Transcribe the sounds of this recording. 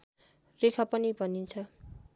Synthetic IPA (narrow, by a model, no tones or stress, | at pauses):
rekʰapʌnibʱʌnint͡sʰʌ